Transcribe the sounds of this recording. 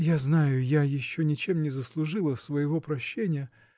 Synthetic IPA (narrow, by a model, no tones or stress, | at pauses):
jaznajʊjajɪɕːonʲɪt͡ɕe̞mnʲɪzəslˠʊʐɨlˠəsvəjɪvo̞pɾɐɕːenʲɪjə